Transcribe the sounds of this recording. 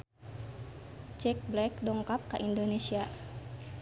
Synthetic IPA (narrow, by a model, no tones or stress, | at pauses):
t͡ʃɛk̚blɛk̚dɔŋkap̚kaʔindonesia